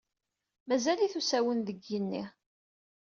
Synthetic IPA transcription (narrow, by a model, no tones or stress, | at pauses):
mæzæliθusæwənðəɡənːḭ